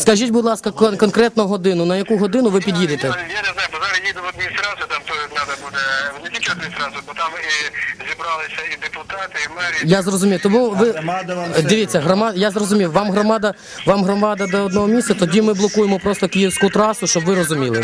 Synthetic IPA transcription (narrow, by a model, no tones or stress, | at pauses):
skɐʒʲitʲbʊd̪lˠɑskɐk̪kɔnkɾɛt̪nɔɦɔd̪ɪnʊnɐjɐkuɦɔd̪ɪnʊʋɪpʲid̪ʲjid̪ɪt̪ɛjaneznajʊpɔzaɾʲɐjʲid̪ɛmɔd̪ʲnʲisɾɑzʊt̪amt̪ɔd̪nʲad̪ɐbud̪ɛlˠɪkʲit͡ʃɛd̪nʲisɾɑzʊpɔt̪amʋɪzʲibɾɑlˠɪsʲɐid̪epʊt̪ɑt̪ɪimɛɾʲjazrɔzʊmʲiwt̪ɔmuʋɪ | d̪ɪʋʲit͡sʲːɐɦɾɔmɑjazrɔzʊmʲiwʋɑmɦɾɔmɑd̪ɐ | ʋɑmɦɾɔmɑd̪ɐd̪ɔɔd̪nɔɦɔmʲisʲt̪ʲt͡sʲɐt̪ɔdʲimɪblˠɔkujemɔpɾɔst̪ɔkɪjiwsʲkʊt̪ɾɑsʊʃt͡ʃɔbʋɪɾɔzʊmʲilˠɪ̰